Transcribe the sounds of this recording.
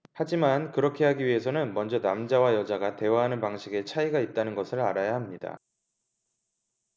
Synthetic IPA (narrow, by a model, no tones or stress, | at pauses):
had͡ʑimankɯɾʌkʰe̞ɦaɡiɥiɦe̞sʰʌnɯnmʌnd͡ʑʌnamd͡ʑawajʌd͡ʑaɡate̞waɦanɯnpaŋɕʰiɡe̞t͡ɕʰaiɡait̚t͈anɯnɡʌsʰɯɾaɾajaɦamɲida̰